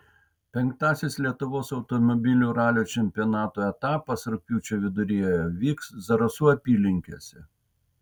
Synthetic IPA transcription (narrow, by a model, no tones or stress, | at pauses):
pʲɛŋkt̪ɑːsʲɪslʲiɛt̪ʊʋoːsɒʊt̪ɔmɔbʲɪlʲuːɾɑːlʲoːt͡ʃʲɛmʲpʲɪjɔnɑːt̪oːɛt̪ɑːpɐsɾʊk̚pʲuːt͡ʃʲoːʋʲɪd̪ʊɾʲijɛjɛʋʲiːkszɐɾɐsuːɐpʲiːlʲɪŋʲkʲo̰sʲɛ